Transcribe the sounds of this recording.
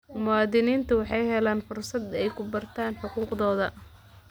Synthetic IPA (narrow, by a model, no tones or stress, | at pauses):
mʊɑːðɪniːnt̪ʰɐwɑħɑjɦɛlaːnfʊrsɐd̪ɛjkʰʊbɐrt̪ʰaːnħʊquːqðɔːðɐ